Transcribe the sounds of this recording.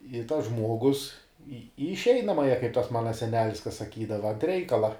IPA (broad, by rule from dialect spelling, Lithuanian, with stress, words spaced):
ɪ tɐs ˈʒmuɔɡʊs iː iː ɪʃʲˈɛɪnɐmɑːjɛ kɐɪp ˈtɐs ˈmɑːnɐ sʲɛˈnʲæːlʲɪs kɐ sɐˈkʲiːdɐʋɐ ɐnt ˈrʲɛɪkɐlˠɐ